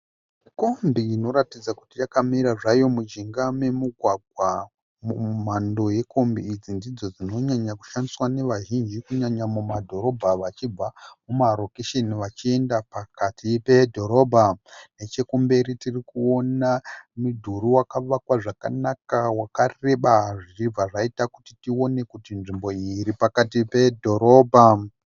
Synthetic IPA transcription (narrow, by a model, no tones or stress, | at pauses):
ko̞mbiːno̞ɾatid͡zakutijakamiɾaʐajo̞mud͡ʒiŋɡame̞muɡʱwaɡ̚ʱwa | mumando̞je̞kʰo̞mbiːd͡zindid͡zo̞d͡zino̞ɲaɲaku̥ʃandiswane̞ʋaʒind͡ʒikuɲaɲamumadʱo̞ɾo̞bʱaʋat͡ʃib͡vamumaro̞keʃeniʋat͡ʃie̞ndapakatipedʱo̞ɾo̞ːbʱanet͡ʃe̞kumbe̞ɾitirikuo̞namudʱuɾuwakaʋakwaʐakanakawakare̞ɓaʐirib͡vaʐaitakutitio̞ne̞kutinʐimbo̞iɾipakatipedʱo̞ɾo̞ːbʱa